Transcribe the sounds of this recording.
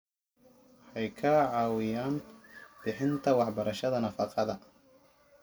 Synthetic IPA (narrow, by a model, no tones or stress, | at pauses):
wħɑjkʰɐʕɑːwɪjaːnb̥ɪħɪnt̪ʰɐwɑħbɐɾɐʃɐðɐnɐfɑqɑðɐ